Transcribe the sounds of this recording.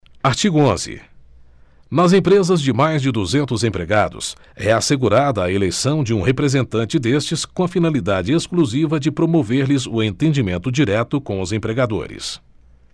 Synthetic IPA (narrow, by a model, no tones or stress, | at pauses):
aɾt͡ʃiɡʊõzɪ̰ | nɐzẽpɾezɐzd͡ʒɪmajzd͡ʒɪd̪uzẽnt̪ʊzẽpɾeɡad̪ʊ̰s | ɛaseɡuɾad̪ɐːelejsɐ̃w̃d͡ʒɪũɦepɾezẽnt̪ɐ̃nt͡ʃɪd̪est͡ʃɪskõɐfinalid̪ad͡ʒɪeskluzivɐd͡ʒɪpɾomoveɾlɪzʊẽnt̪ẽd͡ʒimẽnt̪ʊd͡ʒiɾɛt̪ʊkõw̃ʊzẽpɾeɡad̪o̰ɾɪ̰s